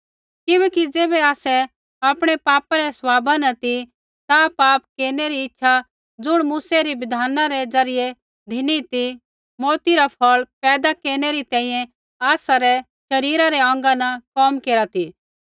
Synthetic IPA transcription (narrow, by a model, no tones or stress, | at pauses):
kɪbɛːkid͡zeːbɛaːsɛ | aːpɽ̃ɛpaːpaɾɛsʋaːbanɐt̪i | t̪apaːp̚keːɾneɾiɪtːʃʰa | d͡zʊɽ̃muːsɛɾiʋɪd̪ʱaːnaɾɛd͡zɐɾɪje | d̪ʱɪnit̪i | moːt̪iɾapʰɔɭpɛːd̪akeːɾɽ̃eɾit̪ɛ̃ːĩːjɛ̃ | aːsaɾɛ | ʃɐɾiːɾaɾɛɔ̃ːŋɡanɐkɔːmkeːɾat̪i